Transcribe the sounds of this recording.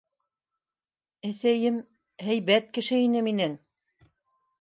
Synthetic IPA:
æsæjɘm | hæjβæt̪̚kɘ̆ʃɘinɘminæn

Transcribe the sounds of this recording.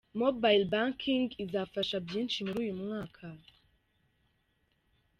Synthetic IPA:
mobajlbaŋkʰiŋɡizafaʃabjiːnʃimuɾuːjumŋaːkʰa

